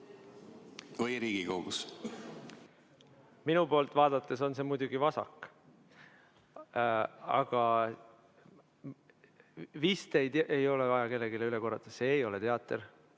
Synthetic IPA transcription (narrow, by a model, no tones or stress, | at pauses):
vɯjɾiːɡ̥ikoɡ̥us | minupo̞ːlt̪vɑːd̪̥ɑt̪ːˑe̞so̞ns̬e̞mujd̪uɡ̥ivɑsɑ̰kːˑ | ɑ̰ɡ̥ɑ | viːst̪ejt̪ʔejo̞levɑjɑke̞lːe̞ɡileyle̞ko̞rːɑt̪ːˑɑse̞ːjo̞let̪e̞ɑt̪ːˑer